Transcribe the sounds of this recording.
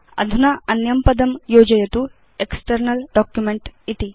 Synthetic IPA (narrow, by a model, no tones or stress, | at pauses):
ɐ̰d̪ʱunɐɐnjɐmpɐd̪ɐmjoːd͡ʒɐjɐt̪u | eksʈɐɾnɐlɖɔːkjumeɳʈit̪i